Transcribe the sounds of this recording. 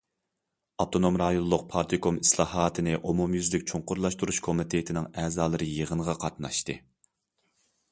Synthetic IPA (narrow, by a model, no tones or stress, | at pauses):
ɑt̪ʰonomɾɑjonˠlˠːʊq̚pʰɑɾt̪ʰikʰomi̥slˠɑːɦɑːt̪ʰɨnɨʔomumjyzlɪkʲt͡ʃʰuɴqʊɾlˠɑʃt̪uɾuʃkʰomɪt̪ʰet̪ʰɪnɪŋɛːzɑːlˠɨɾɨjəʁənʁɑqʰɑt̪nɑ̰ʃt̪ɨ